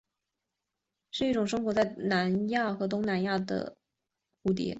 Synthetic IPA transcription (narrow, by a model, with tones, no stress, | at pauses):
ʂɻ̩˥˧i˥˩ʈ͡ʂʊ˨˩ŋʂ̬ɤ˥ŋxwɔ˧˥t͡sa˥˩ɪna˧˥nja˥˩xɤ˧˥t̪̬ʊ˥ŋna˧˥nja˥˩d̪ə̰˩ | xu˥˩t̪̬ḭ˧˥